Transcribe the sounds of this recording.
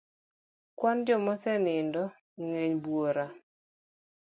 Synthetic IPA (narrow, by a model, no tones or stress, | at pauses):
kwand͡ʒɔmɔsɛnɪndɔ | ŋeɲbwoɾa